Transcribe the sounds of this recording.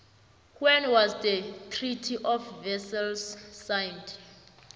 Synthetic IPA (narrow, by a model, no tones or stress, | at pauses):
hwɛnwazdətʰritʰiʔɔfvɛsɛlsːajnd